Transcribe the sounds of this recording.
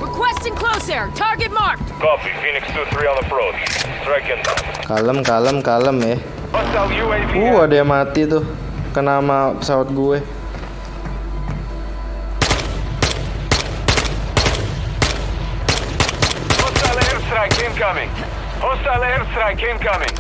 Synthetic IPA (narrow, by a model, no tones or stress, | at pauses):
ɹɪkʰwɛstɪ̃ŋkʰloʊsə˞tʰɑɹɡɨt̚mɑɹk̚tkɔpḭfinɪkstuθɹiɔ̃nðəpɹoʊt͡ʃsɹɛkə̃ntã̰mkaləmkaləmkaləmɛh | ostaljuevuadajaŋmat̪it̪ʊh | kənamapəsawat̪̚ɡuɛ | hostaleɾsɾajkẽmkʌmɪ̰̃ŋ | hostaleɾsɾajkẽmkʌmɪ̰̃ŋ